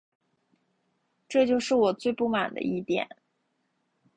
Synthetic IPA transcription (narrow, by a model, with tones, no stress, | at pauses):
ʈ͡ʂɤ˥˧t͡ɕjo˥˧ʊʂɻ̩˥˩wɔ˨˩t͡swe˥˧ɪpu˥˩ma̰˨˩nd̪ə̰˦i˥˩t̪jɛ̰˨˩˦n